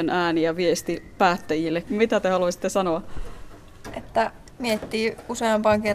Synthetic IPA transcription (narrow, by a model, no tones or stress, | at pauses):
nʔæːniæʋiest̪ipæːt̪ːæjilːekmit̪æt̪ehɑluɑsi̥t̪ːesɑnoɑ | ʔet̪ːæ | miet̪ːiːuseɑmpɑːŋke